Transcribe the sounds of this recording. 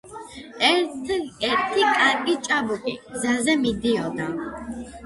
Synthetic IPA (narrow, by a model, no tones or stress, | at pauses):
ɛ | ɛɾt̪ʰikʼaɾkʼit͡ʃʼabukʼḭɡzazɛmid̪iɔd̪a